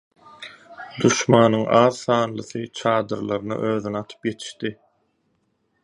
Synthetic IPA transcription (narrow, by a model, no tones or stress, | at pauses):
d̪uʃmɑːnɯŋɑːðθɑːnlˠɯθɯt͡ʃʰɑːd̪ɯɾlˠɑɾɯnɑ̰ʔøːðynɑt̪ʰɯ̥pje̞t̪ʰi̥ʃt̪i